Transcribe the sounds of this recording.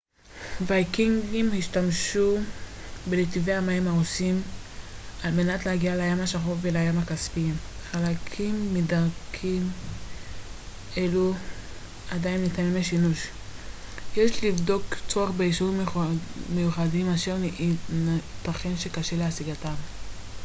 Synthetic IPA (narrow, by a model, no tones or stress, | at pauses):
vajkiŋɡimhiʃtamʃu | beletiveamaimaosim | alme̞natlehaɡialeajamhaʃaχofveleajamakaspimχalakʰimːidaʁkʰim | e̞lu | adainlitanimleʃinuʃ | jeʃlivdo̞kt͡soaχbeiʃu | mejuχadimaʃeʁnnataχenʃe̞kaʃe̞leasiɡatav